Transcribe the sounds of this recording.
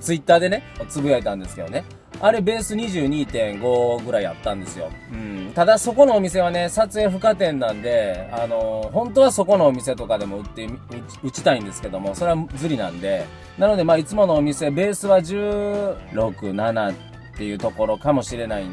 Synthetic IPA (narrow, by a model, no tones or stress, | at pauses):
t͡sɨit̪ːaːd̪e̞ne̞t͡sɨbɯ̟jaet̪ãnd̪e̞sɨ̥ke̞d̪o̞̰ne̞ | aɾe̞be̞ːsɨɲ̟iʑɨːɲ̟iːt̪ẽ̞ŋɡo̞ɡɯ̟ɾaia̰t̪ːãnd̪e̞sɨjo̞̰ɯ̟̃ɴt̪ad̪aso̞ko̞no̞ːmʲis̬e̞β̞ane̞sat͡sɨe̞ɸɯ̟kat̪ẽ̞nːãnd̪e̞ano̞ɦõ̞nt̪o̞βaso̞ko̞no̞ːmʲise̞t̪o̞kad̪e̞mo̞ɯ̟t̪ːeɯ | ɯ̟t͡ɕi̥t̪aĩnd̪e̞sɨ̥ke̞d̪o̞mo̞soɾe̞βazɨɾʲinã̰nd̪e̞ | nano̞d̪e̞maːit͡sɨmo̞no̞ːmʲise̞be̞ːsɨβaʑɨːɾo̞kɯ̟nanat̪ː | e̞jɯ̟ːt̪o̞ko̞ɾo̞kamo̞ɕiɾe̞naḭ